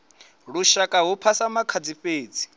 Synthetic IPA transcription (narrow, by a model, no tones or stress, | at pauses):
ɺuʃakʼaɦupʰasamakʰad͡ziɸʼeːd͡zi̥